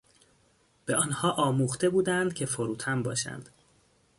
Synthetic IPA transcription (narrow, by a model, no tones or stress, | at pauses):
b̥e̞ʔɒːnhɒːʔɒːmuːxt̪e̞buːd̪ænd̪̥cʰe̞foɾuːt̪ʰæmbɒːʃæ̰nd̪̥